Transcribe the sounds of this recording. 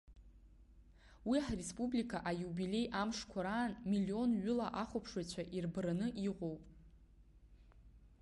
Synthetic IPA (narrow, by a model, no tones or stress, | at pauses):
wiaħrespʼublikʰaʔajubilʲe̞jʔamʂkʷʰaɾaːnmilio̞nɥʊlaʔaχʷopʰʂwat͡ɕʷʰaʔirbranɨʔiqʷo̞wpʼ